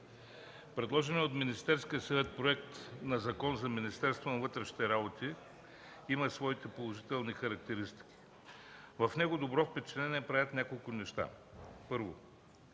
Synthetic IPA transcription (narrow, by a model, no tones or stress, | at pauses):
pɾɛd̪lˠɔʒɛniot̪minist̪ɛɾskʲiəsɐvɛt̪̚pɾoɛkt̪nɐzɐkɔnzɐminist̪ɛɾst̪vonɐvɤt̪ɾɛʃni̥t̪ɛɾabot̪i | imɐsvɔit̪ɛpolˠoʒit̪ɛlˠnixɐɾɐk̚t̪ɛɾist̪i̥kʲi̥ | vɐfnɛɡʊd̪obɾɔfpɛt͡ʃɛlɛnʲiɛpɾavʲət̪nʲakolˠkʊnɛʃt̪a̰pɤɾvo̰